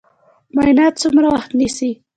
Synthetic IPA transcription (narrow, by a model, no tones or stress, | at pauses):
majnat̪t͡sumɾawaxt̪nisi